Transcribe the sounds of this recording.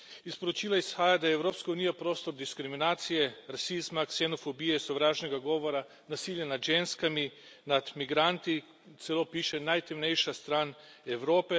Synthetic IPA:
ispoɾot͡ʃiːlaisxaːjad̪aɛɛwɾoːpskauːnijapɾoːst̪ɔɾd̪iskɾiminaːt̪sijɛɾasizmaksɛnɔfobiːjɛisɔʋɾaːʒnɛɡaɡɔːʋɔɾa | nasiːljanad̪ʒenskami | nad̪miɡɾant̪i | t̪sɛlopiːʃɛnajt̪ɛmnɛjʃast̪ɾaːnɛwɾoːpɛ

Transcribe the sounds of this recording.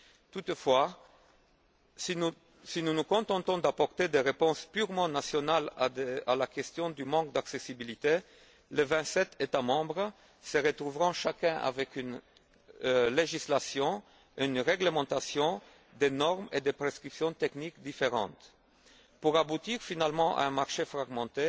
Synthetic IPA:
t̪ut̪fwa | sinunukɔ̃t̪ɑ̃t̪ɔ̃d̪apɔʁt̪ed̪eʁepɔ̃spyʁmɑ̃nasjɔnalaalakɛst̪jɔ̃d̪ymɑ̃k̚d̪aksesibilit̪e | levɛ̃t̪sɛt̪et̪amɑ̃bʁ | səʁət̪ʁuvʁɑ̃ʃakɛ̃ʔa̰vɛkyn | leʒislasjɔ̃ | ynʁeɡləmɑ̃t̪asjɔ̃ | d̪enɔʁmed̪epχeskχipsjɔ̃t̪ɛknikd̪ifeʁɑ̰̃t̪ | puʁabut̪iʁfinalmɑ̃ʔa̰ɛ̃maʁʃefχaɡmɑ̃t̪e

